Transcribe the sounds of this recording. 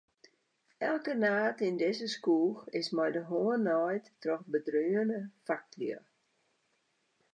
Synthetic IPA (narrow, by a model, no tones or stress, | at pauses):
ɛlˠkənaːtindɪzəskuːxɪsmɛjdəɦoənːɔjttrɔxbədryːənəfak̚tliə